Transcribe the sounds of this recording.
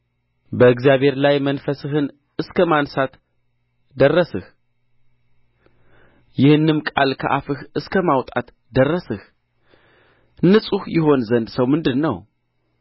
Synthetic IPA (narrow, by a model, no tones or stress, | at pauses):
bəɨɡzijaβʱhe̞ɾlajmənfəsɨɦɨn | ɨskʰəmansat̪ | d̪ərːəsɨh | jɪhɨnːɨmkʼa̰lkʰə̰ʔafɨhɨskʰəmawt̪ʼat̪ | d̪ərːəsɨh | nːɨsʼuhjɪho̞nzənd̪səwmɨnd̪ɨnːəw